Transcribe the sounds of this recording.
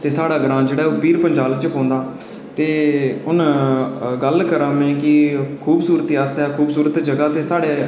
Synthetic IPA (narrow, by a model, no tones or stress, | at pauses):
t̪eːsaːɽaːɡəɾãːd͡ʒeːɽaːoːpiːɾpəɲd͡ʒaːlt͡ʃpõːnd̪aː | t̪eːʊn | ɡəlkəɾãːmɛ̃ːkɪkʰuːbsuːɾət̪iːaːst̪aːkʰuːbsuːɾət̪d͡ʒəɡaːt̪eːsaːɽeː